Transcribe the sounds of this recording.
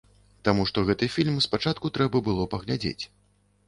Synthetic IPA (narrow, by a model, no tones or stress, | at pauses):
t̪amuʂt̪ɔɣɛt̪ɨfʲilʲmspat͡ʂat̪̚kut̪ɾɛbɐbɨlˠɔpɐɣlʲad͡zʲḛt͡sʲ